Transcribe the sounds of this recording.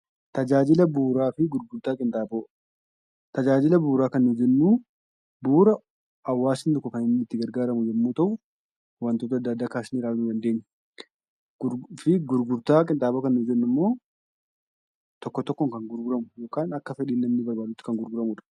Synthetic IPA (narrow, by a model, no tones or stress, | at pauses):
t̪ɐd͡ʒaːd͡ʒɪlɐbuːɾaːfɪɡʊɾɡʊɾt̪aːkʼɪnt̪ʼaːboː | t̪ɐd͡ʒaːd͡ʒɪlɐbuːɾaːkɐnːud͡ʒɛnːuː | buːɾɐ | ɐwːaːsɪnd̪ʊkːʊfɐnɐmːɪt̪ːɪɡɐɾɡaːɾɐmʊd͡ʒɛmːuːt̪ɐʔʊ | wɐnt̪oːt̪ɐd̪ːɐːd̪ːaːkaːsɪnɪɾaːlnʊːd̪ɐnd̪e̞ːɲːɛ | fɪɡʊɾɡʊɾt̪aːkʼɪnt̪ʼaːboːkɐnːuːd͡ʒɛnːʊmːo̞ː | t̪ɔkːɔt̪ɔkːɔŋkɐŋɡʊɾɡʊɾɐmʊjo̞ːkaːnɐkːɐfɛᶑiːnːɐmnɪbɐɾbaːd̪ʊt̪ːɪ̥kɐŋɡʊɾɡʊɾɐmʊᶑɐ̥